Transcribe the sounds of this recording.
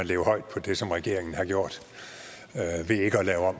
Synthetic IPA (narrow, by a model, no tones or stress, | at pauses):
ænleːʊɐhɒ̽ɪd̥̚pʰɒ̽d̥e̝sɒ̽mʁɛɡ̥e̝ɐ̰eŋn̩hɑ̈ɡjo̝ɐ̰d̥ | ʋe̝e̝ɡ̥əɒlɛːʊɒ̽m̰